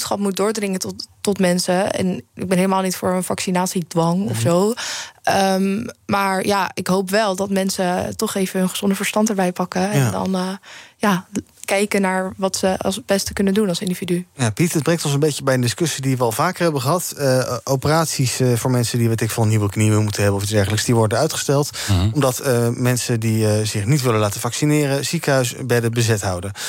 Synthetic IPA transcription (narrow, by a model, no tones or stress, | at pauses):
sχɑpmut̚dʊːɹdrɪŋətɔtmɛnsəɛ̰nɪ̰ɡ̚bɛnɦeɪləmaːlˠnitfʊːɹənfɑksinaːtsidʋɑŋɔ̰fsow | əmmaːɹjaːɪkɦowpʋɛlˠdɑtmɛnsətɔχejvəɦɵnχəz̥ɔndəvəɹstɑntəɹbɛjpɑkəɛndɑ̰nːjaː | kɛjkənaːɹʋɑtsəɑ̰lˠsbɛstə̥kɵnəndunɑlˠsɪndividyjaːpitəd̚brɛŋtɔnsənbejcəbɛjəndɪskɵsidiʋəɑlˠvaːkəɹɦɛbəχəɦɑtəʔowpəraːtsisvʊːɹmɛnsədiʋɛtɪkfɑlˠəniwəkniʋɪləmutənɦɛbənɔfɪzdɛɹχələksdiʋɔɹdənœɥtχə̥stɛlˠt | ɔmdɑtəmɛnsədiəzɪχnitʋɪləlaːtəvɑksinɪːrəzikəɦœɥsbɛdəbəzɛtɦʌwdən